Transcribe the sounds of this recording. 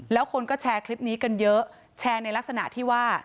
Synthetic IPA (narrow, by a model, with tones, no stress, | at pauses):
lɛː˦˥wkʰo˧nkɔː˥˩t͡ɕʰɛː˧kʰli˦˥p̚niː˦˥ka˧njɤ˦˥ʔ | t͡ɕʰɛː˧na˧jla˦˥k̚sa˧na̰˨˩t̪ʰiː˥˩waː˥˩